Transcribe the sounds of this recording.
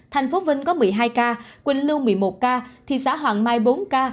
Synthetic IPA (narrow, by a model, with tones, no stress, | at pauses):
t̪ʰɛ˨˩jŋ̟fo˨˦vï˧ŋ̟kɔ˨˦mɨ˨˩əjɦaː˧jkaː˧kwe˧nlɨ˧wmɨ˨˩əjmo˨˩t̚kaː˧t̪ʰi˨˩saː˧˥˩ɦwaː˨˩ŋmaː˧jɓo˨˦nkaː˧